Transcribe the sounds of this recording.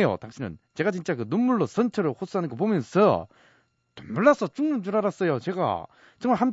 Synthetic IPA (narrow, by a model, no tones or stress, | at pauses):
ejo̰taŋɕ͈ʰinɯ̰nt͡ɕe̞ɡat͡ɕint͡ɕ͈akɯnunːuɭːos͈ʰʌnt͡ɕʰʌɾɯhos͈ʰɯɦanɯnɡʌp̬omjʌnsʰʌ | tomuɭːas͈ʰʌt͡ɕuŋmunt͡ɕuɾaɾas͈ʌjot͡ɕe̞ɡa̰ | t͡ɕʌŋmaɭham